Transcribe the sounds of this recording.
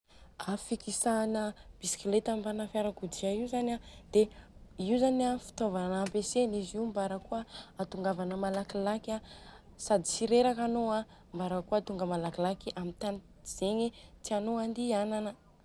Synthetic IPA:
afikisanəb̥isi̥kilet̪ambanəfaɾakud̪iaiwzanad̪̥eiwzanafi̥t̪ovanampeseniziumbaɾəkuəːt̪uŋɡavanəmalakilaka | sad̪isiɾeɾakanoa | mbaɾəkuat̪uŋɡəmalakilakiʔamit̪an | z̥eɲit̪ianoand̪iananə

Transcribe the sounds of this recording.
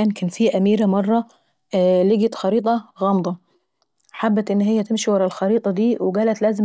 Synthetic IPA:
æːnkæːnfiːʔæmiːɾæmɑrˤːɑ | leɡæt̪xɑɾiːt̪ˤɑɣɑːmd̪ˤɑ | ħabːæt̪ʔɪnːɦɪjːæt̪ɪmʃiwɑɾˤɑlxɑɾiːt̪ˤɑd̪iːweɡæːlæt̪læːzɪm

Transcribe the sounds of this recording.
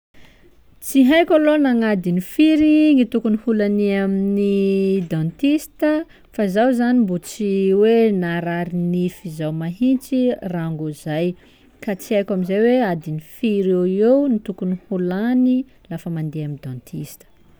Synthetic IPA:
t͡siɦajkʲalonaŋad̪inifiɾiŋit̪ukunihulaniaminid̪ãnt̪ist̪ə | fazawzanimbut͡siwenaɾaɾinifizawmaɦint͡siraŋɡuzaj | kat͡siajkʲamizajwead̪inifiɾewewnit̪ukunihulani | lafəmand̪eamind̪ɔ̃nt̪ʰist̪ə̥

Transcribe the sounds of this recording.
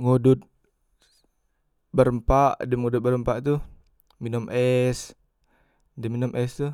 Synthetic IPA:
ŋudut̪̚ | bəɾəmpaʔdɛmŋudut̪̚bəɾəmpaʔt̪u | minɔmʔɛs | dɛminɔmʔɛst̪u

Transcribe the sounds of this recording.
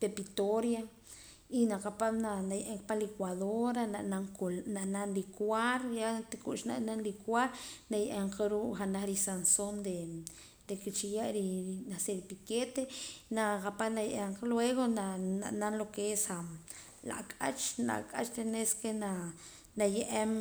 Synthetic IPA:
pepit̪oɾja | inaqapamnanajaʔeŋkpalekwaðoɾananaŋklnaʔnanlikwaɾjat̪ikuʔʃna̰ʔnanlikwaɾnajaʔaɴqaɾuːʔχanaχɾisansond̪e | d̪̥eket͡ʃijaʔɾinaseɾpiket̪enaqapanajaʔeɴqelweɣonana̰ʔnanlokeesa | la̰ʔkʼat͡ʃla̰ʔkʼat͡ʃɾeneskena | najeʔem

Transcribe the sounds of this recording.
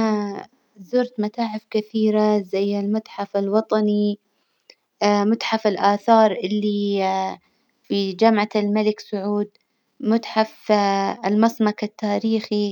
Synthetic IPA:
a | zʊɾt̪mat̪aːʕɪfkɪθiːɾazajːɪlmʊt̪ħafɪlwɑt̪ˤɑni | mʊt̪ħafɪlʔaːθɑːɾˤʔɪlːi | fid͡ʒamʕalmalɪksʊʕuːd̪̚ | mʊt̪ħafɪlmɑsˤmɑkat̪ːaːɾiːxi

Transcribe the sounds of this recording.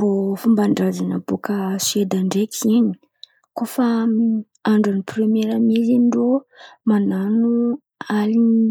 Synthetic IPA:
bofumbaɳɖ͡ʐazanabokəsed̪aɳɖ͡ʐekʰiini̥ | kofa | aɳɖ͡ʐanipremeɾamizinɖ͡ʐomananu | ali

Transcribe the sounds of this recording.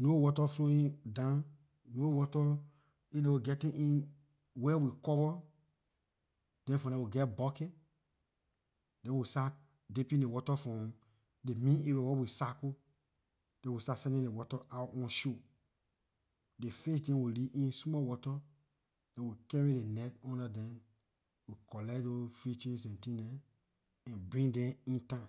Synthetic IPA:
nowɔtɔfloĩndãn | nowɔtɔ | idɛwiɡɛtĩʔĩn | wɛwikɔvɔ | d̥ɛ̃nfɔ̃dɛ̃wiɡɛtbɔket | dɛ̃nwista | depĩdewɔtɔfɔ̃ | demĩniɾɛwɛwisako | d̥ɛ̃wistasɛ̃ndĩndewɔtaʔatɔ̃nʃu | defes̬dɛ̃nwiliʔĩnsmɔwɔtɔ | d̥ɛ̃nwikɛɹidenɛtɔ̃ndadɛ̃n | wikɔlɛdofɹit͡ʃĩnsɛ̃ntĩdɛ̃ | ɛ̃nbɹĩŋdɛ̃mĩntã

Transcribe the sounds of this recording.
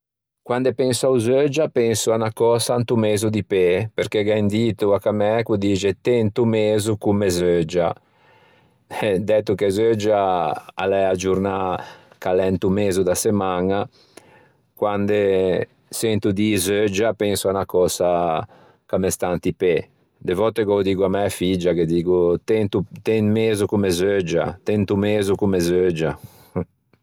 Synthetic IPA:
kwand̪epɛnsauzød͡ʒapɛŋsuanakɔːsant̪umeːzud̪ipepeɾkeɡɛnd̪iːt̪uakamɛkud̪iːt͡ʃet̪ent̪umeːzukumezød͡ʒa̰ | d̪ɛt̪ukezød͡ʒaa̰lɛad͡ʒuɾna | kalɛnt̪umeːzud̪asemaŋa | kwand̪e | sɛnt̪ud̪izød͡ʒapɛnsuanakɔːsa | kamɛst̪ant̪ipɛ | d̪evɔt̪eɡɔd̪iːɡuamɛfid͡ʒaked̪iːɡut̪ɛnt̪ut̪ɛnmeːzukumezød͡ʒa̰t̪ɛnt̪umeːzukumezød͡ʒa

